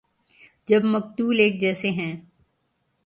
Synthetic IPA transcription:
d͡ʒɐbmɐk̚t̪uːleːk̚d͡ʒɛːseɦɛ̃ː

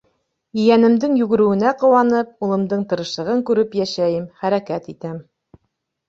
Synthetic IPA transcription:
ɵ̆jænɘ̆md̪ɘŋjʉɡɘ̆ɾɘ̆wɘ̆næqŏwɑnɤp̚ulˠɤ̆md̪ɤɴt̪ɤ̆ɾɤ̆ʃˠɤ̆ʁɤŋkʉɾɘpjæʃæjɘmχæɾækæt̪it̪æm

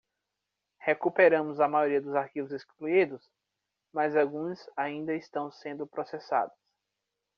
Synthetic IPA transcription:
hekupeɾɐ̃mʊzɐmajoɾiɐd̪ʊzaɾkivʊzeskluid̪ʊs | mɐzawɡũzaĩnd̪ɐist̪ɐ̃w̃sẽnd̪ʊpɾosesa̰d̪ʊs

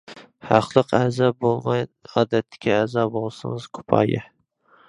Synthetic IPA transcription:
hɑqlˠɨqazɑbolˠmajɒd̪at̪ʰːɪ̥kʲaːzɒbolˠsɪŋɨz̥kʰʊ̥pʰɒ̰jɪ

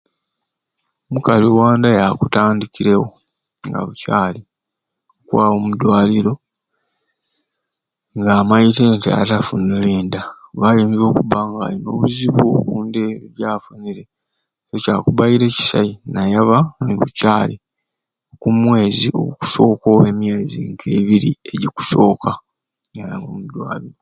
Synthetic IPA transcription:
mukaliwaːndajakutaːndikiɾewo̞ | ŋɡa̰βucaːli | okuwaːβomudwaːliɾo̞ | ŋɡaːmaiteːntia̰tafunuliːndaβaliːmizo̞ːkuβaŋɡa̰ːlino̞̰ːβuziβuβuːndeβjaːfuniɾe̞ | socaːkuβaiɾe̞ci̥sa̰inajaβanɡucaːle | kumwe̞ːzio̞̰ɡuku̥so̞ːkoːemjeːziŋkʰeːβiɾieɟiku̥so̞ːkʰa | ajaŋɡomudwa̰ːliɾo

